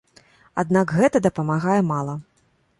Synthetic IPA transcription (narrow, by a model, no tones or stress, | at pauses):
a̰d̪nakɣɛt̪ɐd̪ɐpɐmaɣajɛmalˠɐ